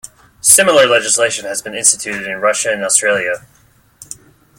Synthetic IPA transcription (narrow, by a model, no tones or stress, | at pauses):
sɪ̃ml̩ˠə˞lɛd͡ʒɨsleɪʃɨ̃nɨzbɨ̃nɪ̃nstɨtʰʉɾɨɾɨ̃nɹʌʃɨɨ̃nɔstɹ̥eɪlˠjɨ